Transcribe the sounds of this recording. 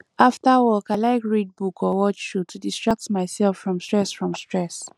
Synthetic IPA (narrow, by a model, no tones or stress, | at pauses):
aftawɔkaɪlaɪkɹid̚bukʰɔwɔt͡ʃʃutʰudistɹak̚tmaɪsɛlfɹɔ̃mstɹɛsfɹɔ̃mstɹɛs